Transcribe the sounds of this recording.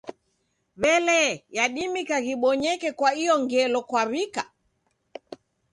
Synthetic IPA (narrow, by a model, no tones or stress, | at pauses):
βɛlɛjaɗimikaɣiɓɔɲɛkɛkwaijɔŋɡɛlɔkwaɾika